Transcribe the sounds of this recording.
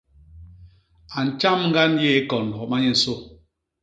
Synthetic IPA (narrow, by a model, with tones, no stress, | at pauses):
a˨n̩˨t͡ʃa˦mŋ̩˦ɡa˦n˦je˦e˦kɔ˨n̩˨dɔ˨ma˦ɲe˦n̩˨so˦